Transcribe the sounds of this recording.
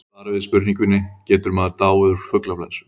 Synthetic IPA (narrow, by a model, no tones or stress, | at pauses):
aðɾavɪðspʏɾniŋkʏnːɪcɛːt̪ʏɾmɛðaɾt̪aːwʏðʏɾ̥fʏklafla̰nsʏ̥